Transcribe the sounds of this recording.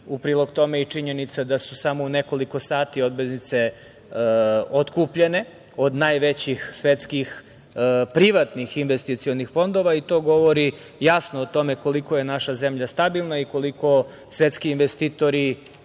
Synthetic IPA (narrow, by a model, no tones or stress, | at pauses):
upɾiːlˠo̞ɡt̪o̞me̞it͡ʂiɲe̞nit̪sad̪asusamoune̞ko̞liko̞saːt̪io̞d̪beznit̪se̞ | ot̪kuːpʎe̞ne̞ | o̞d̪najʋe̞t͡ɕixsʋet̪skix | pɾiʋat̪nixinʋest̪it̪sijo̞nixfo̞nd̪o̞ʋait̪o̞ːɡo̞ʋo̞ɾi | jasnoːt̪o̞me̞ko̞likoje̞naʃazemʎast̪abilˠnaiko̞liko̞ | sʋe̞t̪skiːnʋest̪it̪o̞ɾi